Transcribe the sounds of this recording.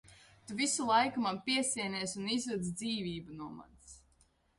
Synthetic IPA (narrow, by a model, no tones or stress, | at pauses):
t̪uvisulˠajkumapiɛsiɛnɛːsunizud̪z̬d̪ziːviːbunuɔma̰ns